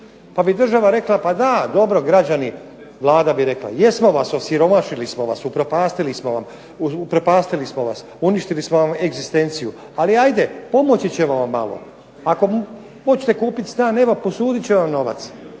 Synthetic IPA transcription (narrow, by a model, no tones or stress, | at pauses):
pabid̪r̩ʒaʋaɾe̞klapad̪ad̪o̞bɾo̞ɡɾad͡ʑani | ʋlˠaːd̪abiɾe̞kla̰je̞smo̞ʋaso̞siɾo̞maʃilismo̞ʋa̰supɾopaːst̪ilismoʋam | upɾopaːst̪ilismoʋas | uniʃt̪ilismo̞ʋame̞ɡzist̪e̞nt̪siju | aliajd̪e̞po̞mot͡ɕit͡ɕe̞ʋaʋamːa̰lo̰ | ako̞m | mo̞t͡ɕi̥t̪ekuːpit̪st̪aːne̞ʋopo̞suːd̪it͡ɕe̞ʋamno̞ʋa̰t̪s